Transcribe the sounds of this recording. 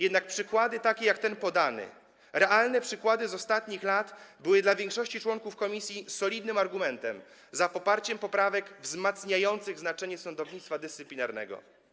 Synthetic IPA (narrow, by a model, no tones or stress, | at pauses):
jɛd̪nak̚pʂɘkwad̪ɘt̪akʲɛjakt̪ɛnpɔd̪anɘ̰ | ɾɛʔalnɛpʂɘkwad̪ɘzɔst̪at̪ɲixlat̪bɘwɘd̪lavʲjɛŋkʂɔɕt͡ɕit͡ʂwɔŋkufkɔmʲisʲjisɔlʲid̪nɘmaɾɡumɛnt̪ɛm | zapɔpaɾt͡ɕɛmpɔpɾavɛɡvzmat̪sɲajɔnt̪sɘɣznat͡ʂɛɲɛsɔnd̪ɔvɲit̪st̪fad̪ɘst̪ɘplʲinaɾnɛ̰ɡɔ̰